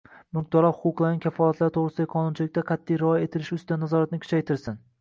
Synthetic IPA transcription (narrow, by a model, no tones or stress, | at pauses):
mʊq̚d̪ɒɾɒhʊqʊqlˠaɾnɪkʲʰafɒlˠat̪laɾɪt̪ʰoʁɾɪsɪd̪ajqʰɒnʊnt͡ʃʰɪlɪk̚ʲt̪aqʰɑt̪ʰːijɾɒje̞t̪ʰɪlɪʃʊst̪ɪd̪anazɒɾat̪nɪkʰʊ̥t͡ʃʰajt̪ʰɪɾsɪn